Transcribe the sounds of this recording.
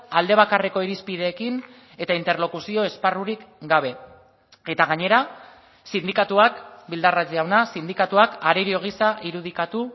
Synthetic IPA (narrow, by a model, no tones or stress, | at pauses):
ald̪e̞β̞akareko̞iɾispið̞e̞ːkin | e̞t̪aint̪e̞ɾlo̞kusio̞e̞sparuɾikɡaβ̞e̞ | e̞t̪aɣ̞aɲe̞ɾa | sind̪ikat̪uakbild̪arat͡siawnasind̪ikat̪uakaɾeɾio̞ɣ̞isaʔiɾuð̞ikat̪u